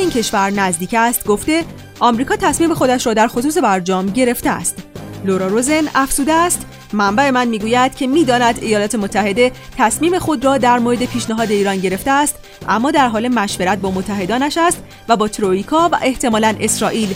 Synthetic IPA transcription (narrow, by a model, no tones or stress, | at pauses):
iːncʰe̞ʃvæɾnæzd̪iːcæst̪ɡo̞ft̪e̞ | ʔɒːmɾiːkʰɒːt̪ʰæsmiːme̞xo̞d̪æʃɾɒːd̪æɾxo̞suːs̬e̞bæɾd͡ʒɒːmɟe̞ɾe̞ft̪eæ̰st̪loɾɒɾozenæfz̥uːd̪eæst̪ | mæmbæe̞mænmiːɡuːjæd̪̥̚cʰe̞miːd̪ɒːnæd̪ejɒːlɒːt̪ʰe̞mot̪ʰːæɦe̞d̪e̞t̪ʰæsmiːme̞xo̞d̪rɒːd̪æɾmoɾe̞d̪e̞pʰiːʃneɦɒːd̪e̞iːɾɒːnɟe̞ɾe̞ft̪eæst̪ | ʔæmːɒːd̪æɾɦɒːle̞mæʃve̞ɾæt̪̚bɒːmot̪ʰːæɦe̞d̪ɒːnæʃæst̪ | væbɒːt̪ʰɾoiːkʰɒːvæ̰ʔe̞ht̪ʰe̞mɒːlænʔe̞sɾɒːʔiːl